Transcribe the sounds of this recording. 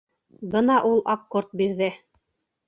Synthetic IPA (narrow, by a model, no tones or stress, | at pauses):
bɤnɑʔulˠɑkːoɾt̪̚biɾðɘ